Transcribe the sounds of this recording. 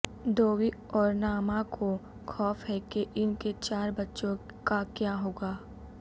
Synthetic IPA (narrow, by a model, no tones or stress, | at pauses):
d̪oːwiɔːɾnaːmakʰo | xʰɔːfɦɛkeʔɪnket͡ʃaːɾbɐtːʃõ | kakjaːɦoːɡaː